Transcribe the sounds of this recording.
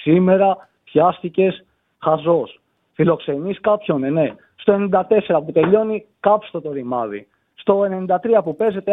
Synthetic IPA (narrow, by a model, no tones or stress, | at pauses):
sime̞ɾɐ | pçɐst̪ice̞s | xɐzo̞s | filo̞kse̞niskɐpço̞nene̞ | st̪o̞e̞nind̪ɐt̪e̞se̞ɾɐput̪e̞ʎo̞nikɐpst̪ot̪o̞ɾimɐ̰ðḭ | st̪o̞e̞ne̞nind̪ɐt̪ɾiɐpupe̞ze̞t̪e